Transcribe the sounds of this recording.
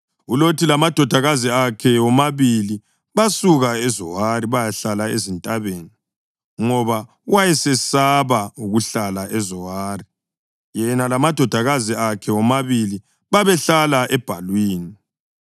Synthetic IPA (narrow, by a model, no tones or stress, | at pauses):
ulotʰilamad̥ʱɔd̥ʱaɣaziakʰɛwɔmaβili | βasuɣaɛzɔɦariβajaɬalaezintʼaβeːni | ŋɔβa | wajɛsɛsaβauɣuɬalaʔɛzɔwaːri | jɛnalamad̥ʱɔd̥ʱaɣaziakʰɛwɔmaβili | βaβɛɬalaʔɛb̥ʱa̰lwiːni